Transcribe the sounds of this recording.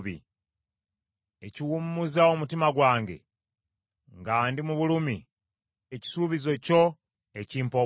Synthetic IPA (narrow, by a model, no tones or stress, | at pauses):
βḭ | eciwumːuzaomutimaɡwaːŋɡe̞̰ | ŋɡaːndimuβulumi | eci̥suːβizo̞co̞ | eciːmpo